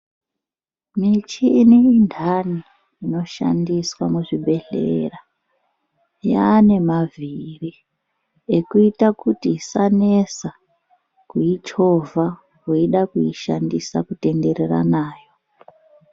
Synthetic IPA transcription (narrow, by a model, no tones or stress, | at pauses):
mit͡ʃiːneindʱaniː | no̞ʃa̰ndiswamuʐibʱe̞ɮḛra | jaːne̞maviri | ekuitakutisanesa | kuid͡ʒo̞vʱa | kuiɗakuiʃandisakute̞nde̞ɾe̞ra̰naːjo̞